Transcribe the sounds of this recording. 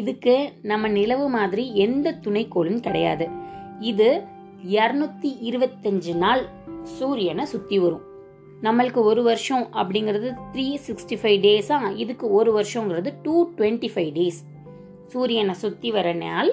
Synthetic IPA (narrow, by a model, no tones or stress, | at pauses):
ɪðɯkːɯnɐmːɐnɪlɐʋɯmaːðɪɾiɛnd̪ɐt̪ʊɳɐɪkːoːɭɯmkɐɽɐja̰ːðɯ | ɪðɯ | ɛɾɐnɯt̪ːiʔɪɾɯʋɐt̪ːɐɲd͡ʒɯnaːl | suːɾɪjɐnɐsʊt̪ːiʋɐɾʊ̃ | nɐmːɐɭɯkːɯɔɾɯʋɐɾʂɔ̃ʔɐpːɐɽɪŋɡɪɾɐðɯt̪ɪɾiːsɪksʈifɐɪʋɖeːsãːɪðɯkːɯɔɾɯʋɐɾɪʂɔ̃ŋɡɪɾɐðɯʈuːʈʋɛɳʈifɐɪʋɖeːs | suːɾɪjɐnɐsʊt̪ːiʋɐɾɐna̰ːl